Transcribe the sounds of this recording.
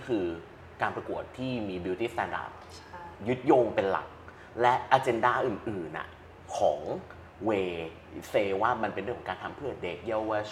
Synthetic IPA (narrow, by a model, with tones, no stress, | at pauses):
kʰɯː˧ | kaː˧npɾa˧ku˨˩ət̪ʰːiː˥˩miː˧bi˧wt̪iː˦˥˩st̪ɛ˧nda̰ː˦˩p̚ | ju˦˥t̪̚jo˧ŋpe˧nla̰˨˩k̚ | lɛ˦˥ʔaː˧t͡ɕe˧ndaː˥˩ʔɯː˨˩nʔɯː˨˩nʔa̰˨˩ | kʰɔː˩˦ŋ | weː˧ | feː˧waː˥˩ma˧npe˧nɾŋkːɔ˨˩˦ŋkaː˧nt̪ʰa˧mpʰɯ˥˩ɐde˦˥k̚ja˥˩wa˥˩